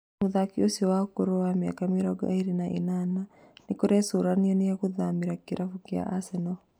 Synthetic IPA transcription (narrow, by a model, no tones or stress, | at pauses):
muðakiosiɔwaokoɾowamja̰kameɾɔɡaiɾinaʔḭnana | nekoɾɛsoɾaniɔneaɣuðamiɾakiɾʔafukia̰ʔasɛnɔ